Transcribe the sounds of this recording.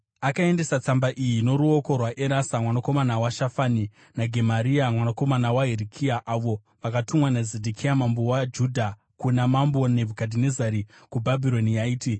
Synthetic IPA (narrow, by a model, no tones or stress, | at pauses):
akae̞nde̞sat͡sambaʔijino̞ɾuoko̞rwaʔeɾasamwanako̞manawaʃafani | naɡʱe̞maɾiamwanako̞manawaɦeɾikʰiaʔaʋo̞ | ʋakatumwanazedʱikʰijamambowad͡ʒudʱa | kunamambo̞ne̞bʱukadʱinezaɾikubʱabʱiɾo̞nijaiːti